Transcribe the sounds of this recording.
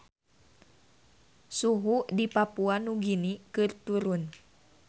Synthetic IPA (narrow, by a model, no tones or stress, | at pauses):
suɦudipapuanuɡinikɨrt̪uɾun